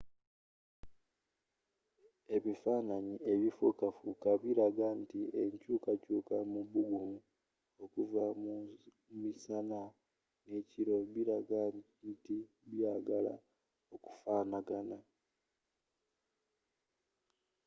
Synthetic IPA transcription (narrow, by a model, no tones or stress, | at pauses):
e̞βifaːnaɲie̞βifukafukaβiɾaɡantiʔe̞ɲcuːkacuːkamuβuɡumu | o̞kuvam | misana | ne̞ciɾo̞βiɾaɡa | nti | βjaːɡala̰ | o̞ku̥faːnaɡana